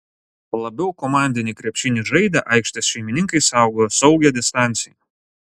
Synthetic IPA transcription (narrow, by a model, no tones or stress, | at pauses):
lˠɐbʲɛʊkɔmɑˑnʲd̪ʲɪnʲɪkɾʲɛpʲʃʲɪnʲɪʒɐɪd̪ʲɐʔɑɪkʃʲt̪ʲɛsʃʲɛɪmʲɪnʲɪŋkɐɪsɑˑʊɡojosɒʊɡʲɛd̪ʲɪst̪ɑˑnʲt̪sʲɪjɛ